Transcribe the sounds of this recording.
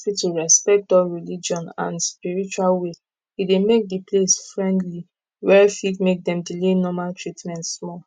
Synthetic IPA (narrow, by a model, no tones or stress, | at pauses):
fituɹɛspɛk̚dɔɹilid͡ʒɔ̃nã̰nspiɹit͡ʃualwe | idemek̚diplesfɹɛ̃ndli | wɛfitmek̚dɛ̃mdilenɔmaltʰɹitmɛ̃ntsmɔl